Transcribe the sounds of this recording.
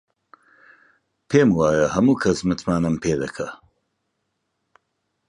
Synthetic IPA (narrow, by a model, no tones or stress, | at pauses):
pʰeːmwaːjɐhɐmuːkʰɐsmɨt̪maːnɨmpʰeːd̪ɐkʰɐ